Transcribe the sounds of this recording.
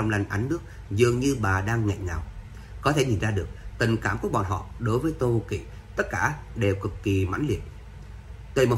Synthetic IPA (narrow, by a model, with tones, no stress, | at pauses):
ɔ˧wŋ͡mla˧jŋ̟ʔa˨˦nnɨ˦˥ək̚ | zɨ˨˩əŋɲɨ˧ɓaː˨˩ɗaː˧ŋːa̰˧˨jŋaː˨˩w | kɔ˨˦t̪ʰe˧˩ɲi˨˩nzaː˧ɗɨ˨˩ək̚t̪i˨˩ŋkaː˧˩mku˧˩əɓɔ̰˧˨nɦɔ̰˧˨ɗo˨˦jvəː˨˦jt̪o˧kḭ˧˨ | t̪ə˦˥t̚kaː˧˩ɗe˨˩wkɨ˨˩kːi˨˩ma̰˧˥jŋlḭ˨˩ət̚ | t̪we˧˩jmo˨˩